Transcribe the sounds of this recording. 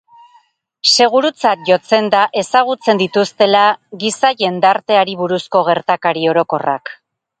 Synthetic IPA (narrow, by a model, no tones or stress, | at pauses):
se̞ɣ̞uɾut͡sak̚ʝo̞t͡se̞nd̪aʔe̞saɣ̞ut͡se̞nd̪it̪ust̪e̞laɣisaʝe̞nd̪aɾt̪e̞aɾiβuɾusko̞ɣ̞e̞ɾt̪akaɾio̞ɾo̞ko̞ra̰k